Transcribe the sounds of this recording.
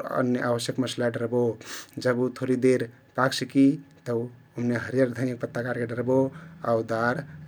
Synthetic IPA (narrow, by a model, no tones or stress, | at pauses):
ə̰njəʔabəsjəkməslaɖəɾbod͡ʒəbut̪ʰoɾid̪eɾ | paksikit̪əu | umneɦəɾjəɾd̪ʱənjək̚pət̪ːəkaɾkeɖəɾboaud̪aɾ